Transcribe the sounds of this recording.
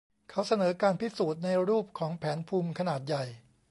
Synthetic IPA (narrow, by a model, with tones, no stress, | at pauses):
kʰa˦˥wsa˧nɤː˩˦kaː˧npʰi˦˥suː˨˩t̪̚na˧jɾuː˥˩p̚kʰɔː˩˦ŋpʰɛː˩˦npʰuː˧mkʰa˧naː˨˩t̪̚ja˨˩j